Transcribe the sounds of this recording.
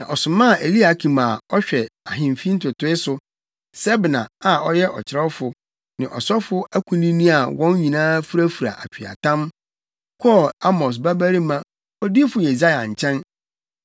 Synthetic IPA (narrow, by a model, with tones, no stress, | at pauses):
nã˨ʔɔ˨sʊ̃˨mã˦˨ʔe˨li˦a˨kʰĩ˨ma˨ɔ˦ɕᶣɛ˨a˨ɦɪ̃˨mfi˦n̩˦tʰʊ˨tʊ˦ɪ˦sʊ˨ | sɛ˦bnã̰˨a˨ɔ˦jɛ˦ʔɔ˨t͡ɕʰɪ˨ɾɛ˦ʊ˦fʊ˨ | nɪ̃˨ʔɔ̰˨sɔ˦fʊ˦æ˦kʷʰũ˨nĩ˦nĩ˦a˨wɔ̃˦n˦ɲĩ˨nãː˦fu˦ɾæ˦fu˨ɾa̰˨ʔa̰˨t͡ɕᶣi˨a̰˨tʰã˦m | kʰɔ˦˨a˦mɔ˨s̬ba˦bæ˦ɾi˦mã˦ | ɔ˦di˦fʊ˨je˨za˦ja̰˨ɲ̩˨t͡ɕʰɛ̃˦n